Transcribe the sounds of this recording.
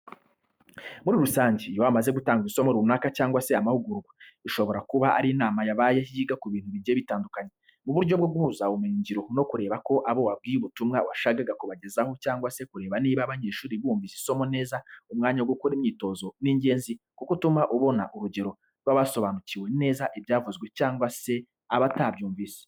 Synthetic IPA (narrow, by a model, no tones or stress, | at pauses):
muɾiɾusaːɲɟijowamaze̞ɡutaːŋɡuiiso̞moɾuunaːkacaːŋɡwase̞amahuɡuɾuɡwaiʃo̞βo̞ɾakuβaʔa̰ɾinaːmajaβajehiːɡakuβiːnhuβiɾɟeβitaːndukaɲe̞ | muβuɾɟo̞bɡoɡuβuːzaomiːɲɟiɾo̞no̞kuɾe̞ːβako̞ʔaβo̞wab̚ɡiːjuβutumŋawaʃaɡaɡakoβaɟe̞zaho̞caːŋɡwase̞kuɾe̞ːβaniːβaβaɲe̞ːʃuːɾiβuːmɱviziso̞mo̞ne̞ːzaumŋaːɲaɡwokoɾimɲiːto̞zo̞niːɲɟe̞ːnzi | kukutumaʔuβo̞na̰ʔuɾuɟe̞ɾo̞ | ɾwaβaso̞βaːnuciwe̞ne̞ːzaʔibjaːvuzɡwe̞caːŋɡwase̞ | aβatabɟuːɱviːsi̥